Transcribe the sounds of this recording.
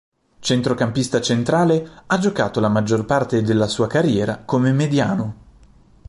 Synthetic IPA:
t͡ʃent̪ɾokampist̪at͡ʃent̪ɾaːlead͡ʒokaːt̪olamad͡ʒːorpart̪ed̪elːasuːakarjɛːɾakomemed̪ja̰ːno

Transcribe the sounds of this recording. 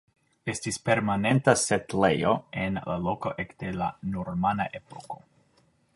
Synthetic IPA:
e̞stispe̞ɾmane̞ntasetlejoenla̰lo̞ko̞ʔekd̥e̞la̰noɾmanaʔepo̞ko̞

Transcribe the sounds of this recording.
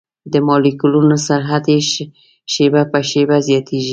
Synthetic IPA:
d̪əmɑlikulunosaɾɦad̪e | ʃebapəʃebazjɑt̪ʰeʒi

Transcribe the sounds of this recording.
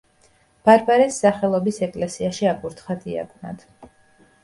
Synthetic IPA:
b̥aɾbaɾɛsːaχɛlˠɔbisɛkʼlɛsiaʃiapʼuɾt̪ʰχad̪ia̰ɡʰʼna̰d̪̥

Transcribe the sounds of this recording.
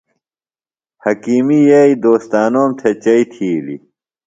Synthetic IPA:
hɐkiːmijeid̪oːst̪aːnoːmt̪ʰet͡ɕɐit̪ʰiːlḭ

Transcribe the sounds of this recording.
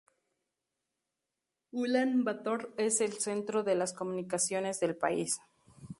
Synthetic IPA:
ulanbat̪oɾe̞selse̞nt̪ɾo̞ðe̞lasko̞mũnikasjo̞ne̞zðe̞lpa̰is

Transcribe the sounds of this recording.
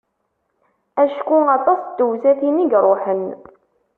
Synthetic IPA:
æʃkuɑt̪ˤɑsˤd̪uwzæθiniɡɾˤoħən

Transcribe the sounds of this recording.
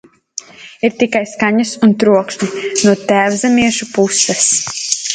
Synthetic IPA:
iɾt̪ikajskaɲɐsunt̪ɾuɔkʃnʲinuɔt̪æːvzɛmiɛʃupusɛs

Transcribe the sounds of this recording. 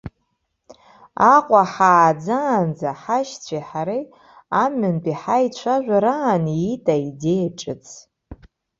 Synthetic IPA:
aqʷʼaħaːd͡zaːnd͡zaħaʃt͡sʷʰiħaɾi | amʏnpʼiħait͡ɕʷʰaʒᶣʷaɾaːniitʼaidejaʈ͡ʂʼɨt͡sʰʼ

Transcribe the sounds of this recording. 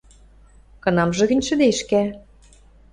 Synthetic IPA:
kɤ̆nɑmʒɤ̆ɣɘ̆nʲʃɘ̆d̪eʃkæ

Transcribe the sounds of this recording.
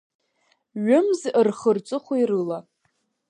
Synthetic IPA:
ɥʊmzɨrχərt͡sʷʼɨχʷoirɨla

